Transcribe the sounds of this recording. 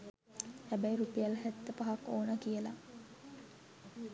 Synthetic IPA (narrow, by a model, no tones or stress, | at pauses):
hæbæjiɾupejalhæt̪ːəpaɦakoːnəkijəla